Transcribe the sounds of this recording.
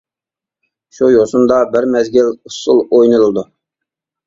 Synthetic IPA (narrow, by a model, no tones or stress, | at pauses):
ʃujosund̪ɑbɪɾmɛzɡʲɪlʊsʊlˠojnɨɾulˠd̪u